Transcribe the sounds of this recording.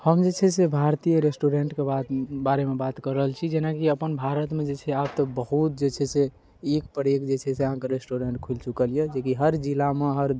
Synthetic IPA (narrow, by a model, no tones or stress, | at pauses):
həmd͡ʒet͡ʃʰɛsebʱaɾt̪ijəɾesʈuɾeɳʈkebat̪baɾemebat̪kəɾəɦəlt͡ʃʰid͡ʒenakiəpənbʱaɾət̪med͡ʒet͡ʃʰɛab̚t̪ɔbəɦut̪̚d͡ʒet͡ʃʰɛse | ekpəɾekd͡ʒet͡ʃʰɛseəɦãkeɾesʈoɾeɳʈ̚kʰult͡ʃukəlijed͡ʒekiɦəɾd͡ʒilameɦəɾ